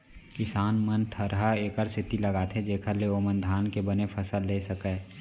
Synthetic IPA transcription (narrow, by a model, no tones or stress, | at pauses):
kɪsaːnmənt̪ʰəɾɦaeːkəɾsɪt̪iləɡat̪ʰed͡ʒeːkʰəɾleomə̃nd̪ʱaːnkebənepʰəsəlːesəkəː